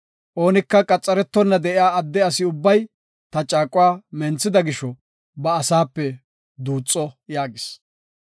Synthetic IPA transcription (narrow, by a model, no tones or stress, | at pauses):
ʔo̞ːnɪkːɐkʼɐt͡sʼːɐɾɛt̪ːɔnːɐd̪ɛɪjaːɐd̪ːɛɐsɪʊbːɐj | t̪ɐt͡ʃʼaːkʼʊwaːmɛnt͡sːɪd̪ɐɡɪʃɔ | bɐːsaːpːɛ | d̪uːt͡sʼːɔjaːɡɪs